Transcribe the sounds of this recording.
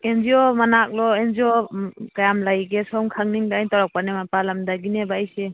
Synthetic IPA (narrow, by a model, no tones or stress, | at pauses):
enziɔmanak̚lɔenziɔkajamlajɡesɔŋkʰaŋniŋdaajntɔɾɔk̚panemapalamdaɡinebajse